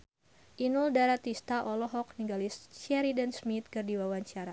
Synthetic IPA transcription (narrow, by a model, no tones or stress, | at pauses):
ʔinuldaɾat̪ist̪aʔɔlɔɦɔk̚niŋɡalist͡ʃɛɾidansmit̪̚kɨrdiwawaɲt͡ʃaɾa